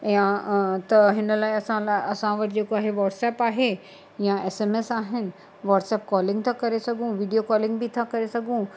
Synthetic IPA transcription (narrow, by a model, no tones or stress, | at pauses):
jãt̪ɐɦɪnəlaːeɐsãlaʔɐsãʋɐʈɪd͡ʑeːkoaːɦeʋaːʈsɛːpaːɦe | jãeːseːmesaːɦɪnɪ̆ | ʋaːʈsɛːp̚kɔːlɪ̃ŋɡt̪ʰakɐɾesɐɡʱũʋiːɖijokɔːlɪ̃ŋɡbit̪ʰakɐɾesɐɡʱũ